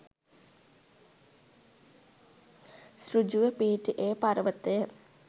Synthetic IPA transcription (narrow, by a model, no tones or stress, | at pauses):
srud͡ʒuʋəpiːʈiʔeːpaɾʋət̪ːəjə